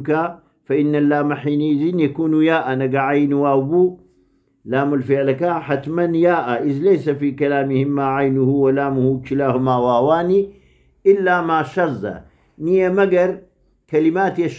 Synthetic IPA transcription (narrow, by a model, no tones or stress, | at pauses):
ka | faʔinːalːaːmaħiːnizinjakuːnujaːʔanaɡaʕajnwaːwbuː | laːmulfiʕlakaħat̪manjaːʔaʔizlejsafikalaːmihimːaʕajnuhuwalaːmuhuːkilaːhumawaːwaːni | ʔɪlːamaːʃɑzˤːa̰ | nijamaɡaɾˤ | kalimaːt̪jaʃ